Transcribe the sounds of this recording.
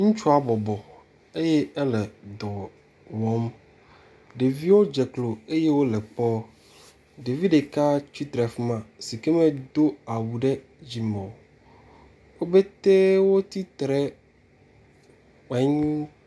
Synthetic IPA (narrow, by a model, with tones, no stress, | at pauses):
ŋũ˦t͡ʃu˦a˨bɔ˨bɔ˨ | e˦jɛ˦ɛ˦lɛ˨d̪ɔ˨ | wɔ˨˦m | ɖe˨vi˦wo˦d͡ʒɛ˨klo˨e˦jɛ˦wo˦lɛ˨k͡pɔ˦ | ɖe˨vi˦ɖe˨ka˦t͡ʃi˦t̪ɾɛ˨fi˦mã˨si˨ke˦mɛ̃˦d̪o˦a˨wu˨ɖɛ˦ | d͡ʑi˨mɔ̃˨ | wo˦be˦t̪e˦wo˦t̪i˦t̪ɾɛ˦ | k͡pɛ˨˦ɲũ˦